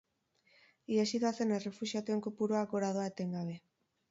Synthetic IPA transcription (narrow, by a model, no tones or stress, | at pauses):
iesit̪oasenere̞fusiat̪ue̞ŋkopuɾoaɡoɾaðoaet̪e̞ŋɡaβ̞e̞